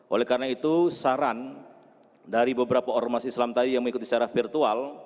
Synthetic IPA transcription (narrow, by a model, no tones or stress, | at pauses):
ʔolɛhkaɾnait̪usaɾan | daɾibəbəɾapaɔrmasislamt̪adijaŋməŋikut̪isət͡ʃaɾafirt̪ual